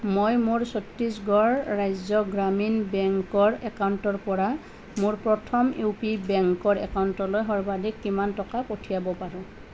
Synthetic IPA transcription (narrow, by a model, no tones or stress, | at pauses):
mojmʊɹsotɹisɡɔɹːajzɔɡɹaminbɛŋkɔɹɛkawntɔɹpɔɹa | mʊɹpɹɔtʰɔmepibɛŋkɔɹɛ̰kawntɔlojɦɔɹbadikːimantɔkapotʰijabɔpaɹʊ̃